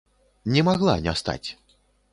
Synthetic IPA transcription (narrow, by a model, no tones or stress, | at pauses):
nʲɛmaɣlˠa̰nʲɛ̰st̪a̰t͡sʲ